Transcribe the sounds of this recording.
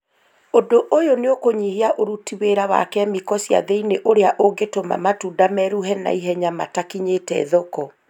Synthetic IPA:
odoʔojoneokoɲiheaʔoɾutiweɾawa̰kɛmikɔsia̰ðeineʔoɾeaʔoɡetoma̰matudamɛɾuɦɛna̰iɦɛɲamatakiɲetɛ̰ðɔkɔ

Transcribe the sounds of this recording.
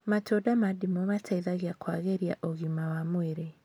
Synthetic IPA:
matodamadimomatʰaiðaɣjakwaɣeɾja̰ʔoɣimawamweɾe

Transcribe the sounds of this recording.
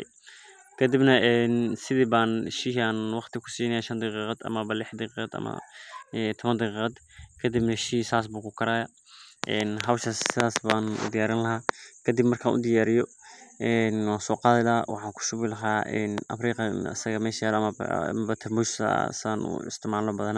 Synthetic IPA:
kʰɐd̪ɪbnɐʔɛːnsɪðibaːnʃiɦaːnwɑqt̪ʰɪkʰʊ̥siːnɐaʃɐnd̪ɑqiːqɐd̪ɐ̰mɐbɐlɪħd̪ɑqiqɑd̪ɐ̰mɐ̰ɛt̪ʰɔβɐnd̪ɑɣiːqɑd̪kʰɐd̪ɪbnɐʃiːsaːs̬buːkʰʊkʰɐɾaːjɐ | ʔɛːnɦɐwʃassɪðaːsbaːnʊ̰d̪ɪjaːɾɪnlɐɦaːkʰɐd̪ɪbmɐrkʰa̰ːnʔʊ̰d̪ɪjaːɾɪjɔɛːnwaːsɔːqɑːðɪlaːwʔɑ̰ħɑːŋkʰʊ̥ʃʊβɪlɐɦaːɛ̰ːnʔɐ̰fɾiːqɑɐ̰sɐɣɐmɛːʃɐjaːlɐmɐ̰mbɐt̪ʰɐrmʊʃsɐ̰saːnṵɪ̰st̪ʰɪmaːlɔbɐðɐna

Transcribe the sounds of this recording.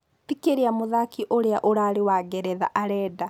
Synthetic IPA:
tikeɾeamuðakiʔoɾeaʔoɾaːɾewaːɡɛɾɛða̰ʔaɾɛːda

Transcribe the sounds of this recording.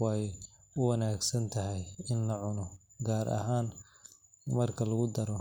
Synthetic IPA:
wj | ʊwɐnaːɡsɐnt̪ʰɐɦɛjɪnlɐʕʊnɔɡaːɾʔɐ̰ɦaːn | mɐrkʰɐlɐɣʊd̪ɐɾɔ

